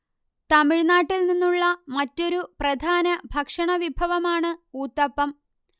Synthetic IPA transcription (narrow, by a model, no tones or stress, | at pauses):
t̪ɐmiɻnaːʈːilninːuɭːɐmɐtːo̞ɾuprɐd̪ʱaːnɐbʱɐkʂɐɳɐʋibʱɐʋɐmaːɳɨuːt̪ːɐpːɐm